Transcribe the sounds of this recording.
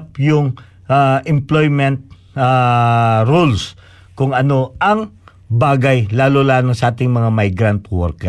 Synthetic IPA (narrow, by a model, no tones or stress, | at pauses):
pjʊŋ | ʔaʔɛmplojmɛnt̪̚ | a | ɾuls | kʊŋɐno̞ʔɐŋ | baːɡajlaːlolaːlosɐʔaːt̪ɪŋmɐŋamajɡɾant̪wɔɾkɛ